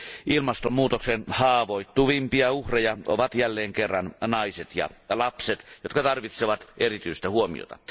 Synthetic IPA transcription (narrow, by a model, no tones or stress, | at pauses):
ilmɑst̪omuːt̪oksenhɑːʋoit̪ːuʋimpiɑuhrejɑo̰ʋɑt̪jælːeːŋkerːɑnnɑiset̪jɑ̰lɑpset̪jot̪kɑt̪ɑrʋit̪seʋɑt̪ʔerit̪yˑst̪æhuomḭo̰t̪ɑ̰